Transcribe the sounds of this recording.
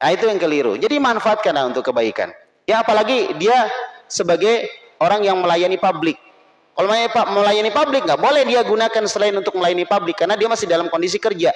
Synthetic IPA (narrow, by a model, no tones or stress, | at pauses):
ʔait̪ujaŋkəliɾṵd͡ʒadimanfaat̪̚kanaunt̪ʊkːəbaika̰n | jaːpalaɡidiasəbaɡaj | oɾaŋjaŋməlajanipablɪk̚ː | alomapaməlajanipablɪk̚ŋɡaʔbolɛhdiaɡunakansəlaɪnunt̪ʊk̚məlajanipablɪkːarnadiamasɪdalamkondis̬ikərd͡ʒa